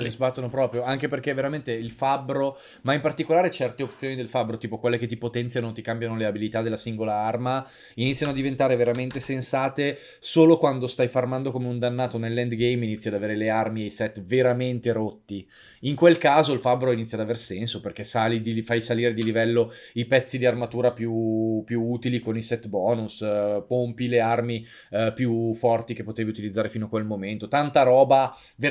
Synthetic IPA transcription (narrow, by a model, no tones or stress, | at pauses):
lezbat̪ːonopɾɔːpɾjoaŋkeperk̟eveɾament̪eilfabːɾo | maimpart̪ikolaːɾet͡ʃɛrt̪eopt̪sjoːnid̪elfabːɾot̪iːpokwelːeket̪ːipot̪ɛnt̪sjanot̪ikambjanoleabilit̪ad̪elːasiŋɡolaarma | init̪sjanoad̪ːivent̪aːɾeveɾament̪esensaːt̪e | soːlokwand̪ost̪ajfarmand̪okomeund̪anːaːt̪onelːɛnd̪ɡejminit̪ːjad̪aveːɾelearmiejsɛt̪ːveɾament̪eɾot̪ːi | iŋkwelkaːzoilfabɾoinit̪ːjad̪aversɛnsoperk̟esalid̪ifajsaliːɾed̪ilivɛlːoipɛt̪sːid̪iarmat̪uːɾapjupjuuːt̪ilikonisɛt̪bɔːnuspompilearmi | pjufɔrt̪ik̟epːot̪eviut̪ilid̪zːaːɾefiːnoakwelmoment̪ot̪ant̪aɾɔːba | ve